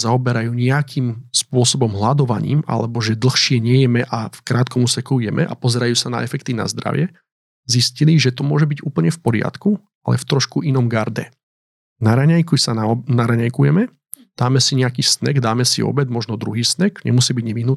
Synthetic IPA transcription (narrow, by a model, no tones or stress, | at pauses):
zaɔbɛɾajuːɲɛakʰimspʊɔsɔbɔmɦlad̪ɔʋa̰ɲḭːma̰lɛbɔʒɛd̪l̩xʃɪɛɲɛjɛmɛʔafkɾaːt̪̚kɔmuːsɛkujɛmʔɛ̰ʔa̰pɔzɛɾajuːsana̰ɛfɛk̚t̪ina̰zd̪ɾa̰ʋɪɛ | zisciliʒɛt̪ɔmʊɔʒɛbiɟuːpl̩ɲɛfpɔɾɪa̰t̪ku | alɛ̰ft̪ɾɔʃkuʔinɔmɡaɾd̪ɛ̰ | naɾaɲajkusanaɾaɲajkujɛmɛ | d̪̥aːmɛsiɲɛakiːsnɛ̰ɡd̪aːmɛsḭɔ̰bɛd̪mɔʒnɔd̪ɾuɦiːsnɛɡɲɛ̰musiːbiɟɲɛʋiɦnut̪